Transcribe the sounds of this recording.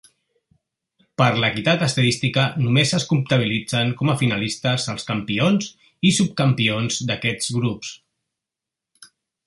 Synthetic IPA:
pəɾləkit̪at̪əst̪əðist̪ikənumezəskump̚t̪əβ̞ilid͡zəŋkɔməfinəlist̪əzəlˠskəmpionz | isup̚kəmpionzd̪əkɛd͡zɣɾups

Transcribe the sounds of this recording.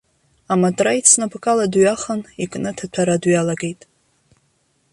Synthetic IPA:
amatʼrait͡sʰnapʰkʼaladɥaχənikʼnɨtʰat͡ɕʷʰaɾadɥjalaɡe̞jtʼ

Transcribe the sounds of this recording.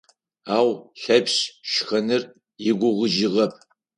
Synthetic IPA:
aːwɬɐpɕʃxɐnɨr | jɪɡʷʊʁʷəʒɪʁɐp̚ʰ

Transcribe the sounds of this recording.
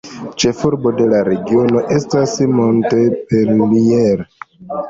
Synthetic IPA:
t͡ʃe̞fuɾbo̞de̞laɾe̞ɡio̞no̞ʔe̞stasmo̞nte̞peɾlieɾ

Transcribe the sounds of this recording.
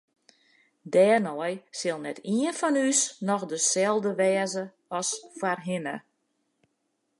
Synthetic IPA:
dɛːrnɔjsɪlˠnɛtʰiənfɔnysnɔxdəsɛlˠdəʋɛːzə | ɔsfwarɦɪnə

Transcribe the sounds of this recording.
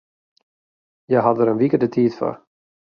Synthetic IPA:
jaːɦavðəɾɛnviːkəd̪ət̪ʰiːðfœ̰ɾ

